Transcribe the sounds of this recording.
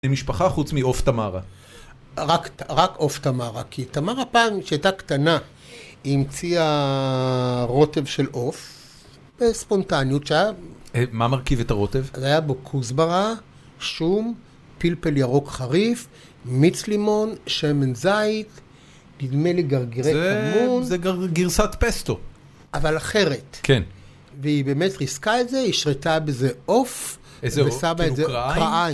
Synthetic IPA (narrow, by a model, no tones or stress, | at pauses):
emiʃpaχaχut͡smio̞ft̪amaʁa | ʁakʁako̞ft̪amaʁa̰kʰitamaʁapaːmʃeajtaktana | imt͡sia | ʁo̞te̞vʃe̞lʔo̞f | b̥espo̞ntanjutʃajamamaʁkivet̪aʁo̞tevzajabokʰuzbaʁa | ʃum | pilpeljaʁo̞kχaʁif | mit͡slimo̞nʃemenzajt | nidme̞leɡaʁɡeʁeamunzeɡaɡiʁsatpest̪o | avalaχe̞ʁetkʰen | veibeme̞tʁiskaetzeiʃʁetabezeʔo̞f | ezvesamaezeʁakʁaa